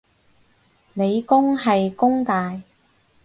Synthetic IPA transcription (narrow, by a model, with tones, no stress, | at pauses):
ne˨˧jkʊ˥ŋɦɐ˨jkʊ˥ŋt̪aː˨j